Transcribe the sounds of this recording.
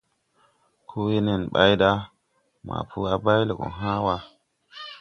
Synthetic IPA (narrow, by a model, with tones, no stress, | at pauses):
kʰo˦we˦ne˦˨nɓa̰˦jɗa˦ | ma̰˨pʰu˦a˦ba˦jle˨ɡo̰˨ɦa˦wa˦